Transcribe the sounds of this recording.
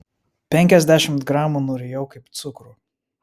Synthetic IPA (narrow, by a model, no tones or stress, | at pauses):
pʲɛŋʲkʲɛzʲd̪ʲæʃʲɪmt̪ɡɾɑːmuˑnʊːɾʲejɛʊkɐɪpt̪sʊkɾu